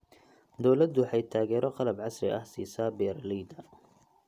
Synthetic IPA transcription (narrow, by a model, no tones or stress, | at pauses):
d̪ɔwlɐd̪ʊħɑjt̪ʰaːɣɛːɾɔqɑlɐbʕɑsrɪ̰ʔɐhsḭːsaːbɛːɾlɛjd̪ɐ